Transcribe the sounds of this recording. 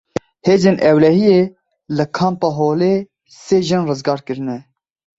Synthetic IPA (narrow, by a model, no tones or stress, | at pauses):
heːzeːnʔɛwlɛhijeː | lɨkʰɑːmpɑːɦoːleː | seːʒɨnrɨzɡɑːɾkɨɾɨnɛ